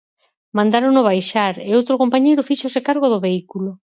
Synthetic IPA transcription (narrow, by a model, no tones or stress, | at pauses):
mãnd̪aɾonʊβ̞ajʃaɾeowt̪ɾokompaɲejɾʊfiʃosekaɾɣoðʊβeikulo